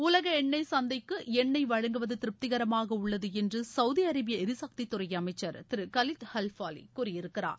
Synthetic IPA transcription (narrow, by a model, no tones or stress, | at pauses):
ʊlɐɣɐɛɳːɐɪsɐnd̪ɐɪkːɯɛɳːɐɪʋɐɻɐŋɡɯʋɐðɯt̪ɪɾɯp̚t̪ɪɣɐɾɐmaːɣɐʊɭːɐðɯɛndrɯsɐʊðiɐɾɐbɪjɐɛɾɯsɐk̚t̪it̪ːʊɾɐjɐmɐɪt͡ʃːɐɾt̪ɪɾɯkɐlɪt̪hɛlfaːlḭkuːrɪjɪɾɯkːɪɾa̰ːɾ